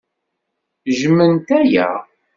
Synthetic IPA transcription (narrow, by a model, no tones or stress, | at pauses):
ʒmːənt̪æjæ̰